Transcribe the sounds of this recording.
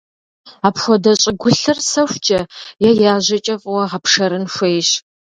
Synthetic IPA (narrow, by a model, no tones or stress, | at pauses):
aːpxʷɔdɐɕʼɪɡʷʊɬɨrsɐxʷt͡ʃʼɐjɛjaːʑɐt͡ʃʼɐfʼwɐʁɐpʂɐɾɨnxʷejɕ